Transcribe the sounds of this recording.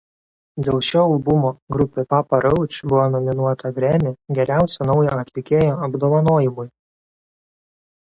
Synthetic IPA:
d̪ʲeːlˠʃʲoːɐlˠbʊmoːɡɾʊpʲeːpɑpɐɾɐʊt͡ʃʲbʊʋoːnɔmʲɪnuɔt̪ʰɐɡɾʲæmʲeɡʲɛɾʲæˑʊsʲɛnɒʊjoːɐt̪ʲlʲɪkʲeːjoːɐbd̪oːʋɐnoːjɪmʊj

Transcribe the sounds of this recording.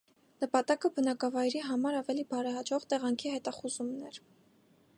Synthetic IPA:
nəpɑt̪ɑkəbənɑkɑvɑjɾiɦɑmɑɾɑvɛlibɑɾɛɦɑd͡ʒɔʁt̪ɛʁɑŋkʰihɛt̪ɑχuzumnɛɾ

